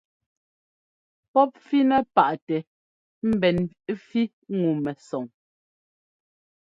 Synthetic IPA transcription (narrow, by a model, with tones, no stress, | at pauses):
pɔ˦p̚fi˦nɛ˦pa˨ʔtɛ˨ | m̩˦bɛ˨n˦ | fi˦ | ŋu˨mɛ˨sɔ˨ŋ